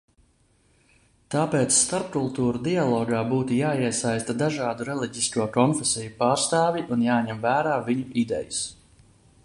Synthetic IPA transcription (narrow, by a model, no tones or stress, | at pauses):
t̪aːpeːt̪sst̪aɾpkulˠt̪uːɾud̪ialˠɔːɡaːbuːt̪ujaːiɛsajst̪ad̪aʒɑːd̪uɾɛlˠiɟʲiskuɔkɔnfɛsɛjupaːɾst̪aːvʲiʔunjaːɲɛmvæːɾaːviɲuʔid̪ɛ̰jus